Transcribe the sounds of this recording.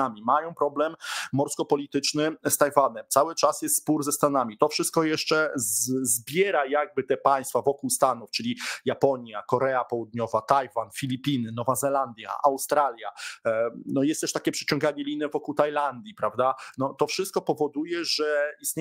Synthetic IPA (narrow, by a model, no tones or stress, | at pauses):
amʲimajɔ̃w̃pɾɔblɛmːɔɾskɔpɔlʲit̪ɘt͡ʂnɘst̪ajvanɛmt̪sawɘt͡ʂasjɛst̪spuɾzɛst̪anamʲit̪ɔfʂɘst̪̚kɔjɛʂt͡ʂɛzzbʲjɛɾajaɡ̚bɘt̪ɛpaj̃st̪favɔkuwst̪anuft͡ʂɘlʲijapɔɲjakɔɾɛapɔwud̪ɲɔvat̪ajvanfʲilʲipʲinɘnɔvazɛland̪ʲja̰ʔawst̪ɾalʲja | nɔjɛst̪ɛʂt̪akʲɛpʂɛ̥t͡ɕɔ̃ŋɡaɲɛlʲinɛvɔkuwt̪ajland̪ʲjipɾavd̪anɔt̪ɔfʂɘst̪̚kɔpɔvɔd̪ujɛʐɛist̪ɲe